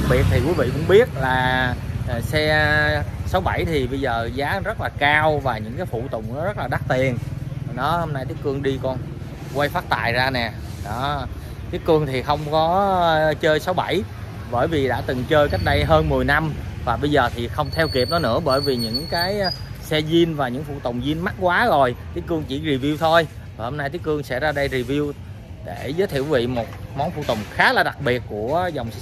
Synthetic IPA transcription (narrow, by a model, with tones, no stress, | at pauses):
k̚ɓi˨˩ət̚t̪ʰi˨˩kwi˨˦vḭ˧˨kʊ̰˧˥ŋ͡mɓi˦˥ət̚laː˨˩ | sɛ˧ | sa˨˦wɓa˧˩jt̪ʰi˨˩ɓə˧jzəː˨˩zaː˨˦zə˦˥t̚laː˨˩kaː˧wvaː˨˩ɲɨ̰˧˥ŋkaː˨˦jfṵ˧˩˨t̪ʊ̰˧˨ŋ͡mnɔ˨˦zə˦˥t̚laː˨˩a˦˥k̚t̪i˨˩ən˩ɗɔ˨˦ho˧mna˧jt̪i˦əkɨ˧əŋɗi˧kɔ˧n | kwa˧jfaː˦˥t̚t̪a̰ː˧˨jzaː˧nɛ˨˩ | ɗɔ˨˦ | t̪i˦˥əkːɨ˧əŋt̪ʰi˨˩xə˧wŋ͡mkɔ˨˦t͡ɕəː˧jsa˨˦wɓa˧˩j | ɓəː˧˩jvi˨˩ɗa̰ː˧˥t̪ɨ˨˩ŋt͡ɕəː˧jka˦˥k̟̚ɗə˧jɦəː˧nmɨ˨˩əjna˧mvaː˨˩ɓə˧jzəː˨˩t̪ʰi˨˩xə˧wŋ͡mt̪ʰɛ˧wki˨˩p̚nɔ˨˦nɨ̰˧˥əɓəː˧˩jvi˨˩ɲɨ̰˧˥ŋkaː˨˦jsɛ˧zi˧nvaː˨˩ɲɨ̰˧˥ŋfṵ˧˨t̪o̰˨˩wŋ͡mzi˧nma˦˥t̚kwaː˨˦zo˨˩jt̪ʰi˨˦˥kɨ˧əŋt͡ɕi˧˩zi˨˩vi˧əwt̪ʰo˧j | vaː˨˩ho˧mna˧jt̪i˦əkːɨ˧əŋsɛ̰˧˥zaː˧ɗə˧jzi˨˩vi˧əw | ɗe˧˩zəː˨˦jt̪ʰi˧˨wi˨˧˦vḭ˧˨mo˨˩t̚mɔ˨˦wnfṵ˧˨t̪o̰˨˩wŋ͡mxaː˨˦˥laː˨˩ɗa˨˩k̚ɓi˨˩ət̚ku˧˩əza˨˩wŋ͡m